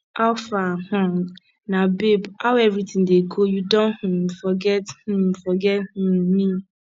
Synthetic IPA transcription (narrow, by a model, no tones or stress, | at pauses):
aʊfahɔ̃ | nabebhawɛvɾitĩŋdeɡojudɔ̃nh̩mfɔɡɛthũmfɔɡɛth̩mi